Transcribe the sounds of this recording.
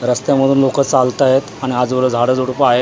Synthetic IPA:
ɾəst̪jaməd̪ʱuːnlokət͡salt̪ajet̪aɽ̃iad͡zʋəɾəd͡zʱaɽəːd͡zuɽpəaɦe

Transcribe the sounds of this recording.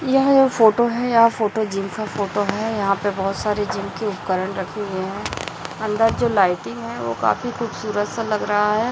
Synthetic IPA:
jɐɦãd͡ʒoːfoːʈoɦɛjɐɦãfoːʈod͡ʒiːmkafoːʈoɦɛjɐɦãpebɔɦʊt̪saːɾed͡ʒiːmkeʊpkəɾəɽ̃ɾɐkʰeɦʊeɦɛ̃ːɐ̃nd̪əɾd͡ʒoːlaːɪʈɪ̃ŋɡɦɛ̃ʋo̰ka̰ːfixuːbsuːɾət̪salɐɡɾɐɦaɦɛː

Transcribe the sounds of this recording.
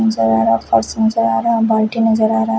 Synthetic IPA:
nɐzɐɾaːɾafɐɾsnɐzɐɾaːɾabaːlʈinɐd͡ʒɐɾaːɾa

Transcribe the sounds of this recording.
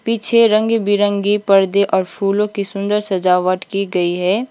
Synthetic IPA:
pit͡ʃʰeɾə̃ŋɡbiɾə̃ŋɡipɐɾd̪eʔɔːɾpʰuːlõkisʊ̃nd̪əɾsɐzaːʋəʈkiɡɐiɦɛː

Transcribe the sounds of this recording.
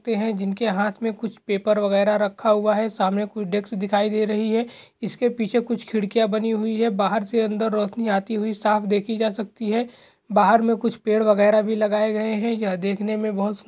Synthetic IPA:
t̪eɦɛ̃d͡ʒɪnkeɦaːt̪ʰmẽkʊt͡ʃʰpeːpəɾʋɐɣɛːɾaɾɐkʰːaɦuaɦɛsaːmnekʊt͡ʃʰɖeːksd̪ɪkʰaːid̪eːɾɐɦiɦɛːɪskepiːt͡ʃʰekʊt͡ʃʰkʰɪɽkijabɐniɦʊiɦɛbaːɦəɾseɐ̃nd̪əɾːɔːʃniaːt̪iɦʊisaːfʰd̪eːkʰid͡ʒaːsɐk̚t̪iɦɛː | baːɦəɾmẽkʊt͡ʃʰpeːɽʋɐɣɛːɾabʱilɐɡaːeɡɐeɦɛ̃jɐd̪eːkʰnemẽbɐɦʊt̪

